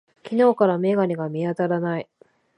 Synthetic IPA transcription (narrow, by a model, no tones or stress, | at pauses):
kʲino̞ːkaɾame̞ɡaɾʲiɡamʲiat̪aɾanai